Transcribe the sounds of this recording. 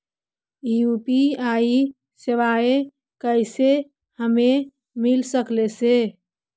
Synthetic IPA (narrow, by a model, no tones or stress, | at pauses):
ijupiai | seʋae | kəɪse | həme | milsəklese